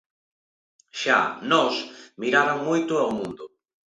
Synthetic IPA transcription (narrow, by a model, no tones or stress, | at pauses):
ʃa̰nɔsmiɾaɾaŋmojt̪ʊawmũnd̪ʊ